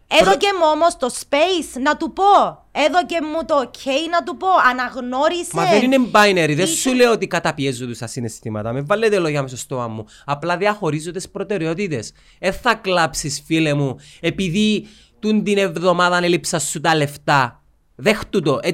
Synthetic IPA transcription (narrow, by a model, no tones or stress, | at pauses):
eðocemuomost̪ospeisnɐt̪upo | eðocemːut̪ocʰejnɐt̪upo̞ɐnɐɣno̞ɾismɐeðeninembajneɾiðesːuleot̪ikɐt̪ɐpiezːod̪usɐsinest̪imɐ̰t̪ɐmevːɐlːet̪eloʝɐmes̬ost̪oɐmːu | ɐplɐðiɐxo̞ɾizːond̪espɾo̞t̪e̞ɾeo̞t̪it̪e̞s | eθɐklapsisfilemuepiði | t̪und̪ine̞vðo̞maðɐnelipsɐsːut̪ɐle̞ft̪ɐ | ðext̪ut̪o̞ʔe